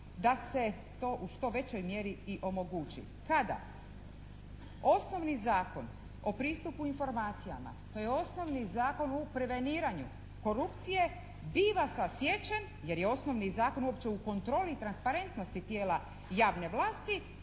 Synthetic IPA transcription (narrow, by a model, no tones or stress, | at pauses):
d̪ase̞ | t̪o̞ːʔuʃt̪o̞ʋe̞t͡ɕo̞jmjeɾiiʔo̞mo̞ɡuːt͡ɕḭ | kad̪a̰ | o̞sno̞ʋnizaːko̞n | o̞pɾiːst̪upuinfo̞ɾmaːt̪sija̰ma̰t̪o̞jeo̞sno̞ʋnizaːko̞nopɾe̞ʋe̞niːɾaɲu | ko̞ɾupt̪sije̞ | biːʋasasje̞t͡ɕen | je̞ɾjeo̞sno̞ʋnizaːko̞nuo̞pt͡ɕe̞uko̞nt̪ɾo̞ːlit̪ɾanspaɾe̞nt̪no̞st̪it̪jeːla | jaːʋne̞ʋlaːst̪i